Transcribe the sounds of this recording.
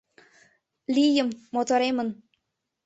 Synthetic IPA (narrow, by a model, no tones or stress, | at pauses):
lʲijə̆mːot̪oɾemə̆n